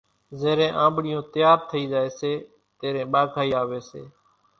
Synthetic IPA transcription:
zeːɾẽːʔãːmbɽɪjõːt̪ɪjaːɾt̪ʰəiːzaːeːseː | t̪eːɾẽːɓaːɡʱaːiːaːʋeːsḛː

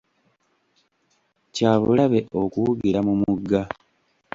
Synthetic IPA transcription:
caːβṵlaβe̞ʔo̞kuuβiɾamumuɡːa

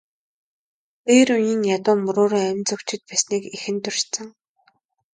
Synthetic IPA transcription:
t̪eːɾuniːŋjat̪ʊːmɵɾʊːɾiːæmʲt͡sɵkt͡ɕɪ̆t̪̚pæːsniːkixɘ̆nt̪ɵr̥ʃt͡sɘ̆ŋ

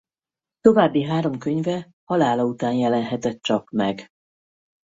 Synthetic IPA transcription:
t̪o̞vaːbːiɦaːɾo̞mkø̞ɲvɛ | hɒlaːlɒut̪aːnjɛlɛnɦɛt̪ɛt̪t͡ʃɒkmɛɡ

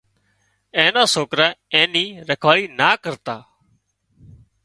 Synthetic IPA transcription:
ẽːnãːsoːkɾaːẽːnĩːɾəkʰʋaːliːnaːkəɾt̪aː

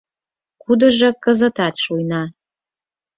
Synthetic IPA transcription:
kud̪ə̆ʒɤ̆kə̆zə̆t̪ɑt̪ʃujnɑ

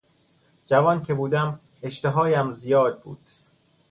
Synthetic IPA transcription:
d͡ʒævɒːncʰe̞buːd̪æm | eʃt̪eɦɒːjæmzijɒːd̪̚bṵːd̪̥

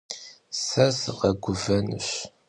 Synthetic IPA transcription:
sɐsɨʁɐɡʷʊvɐnɨ̰ɕ

